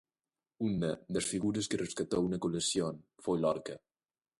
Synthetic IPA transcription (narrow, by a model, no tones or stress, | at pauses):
unəðəsfiɣuɾəskərəskat̪ounəkuləsionfojlɔɾkə